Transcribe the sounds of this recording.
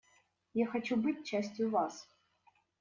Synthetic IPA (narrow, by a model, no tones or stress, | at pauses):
jaxɐt͡ɕubɨt̚ʲt͡ɕasʲtʲjʊvas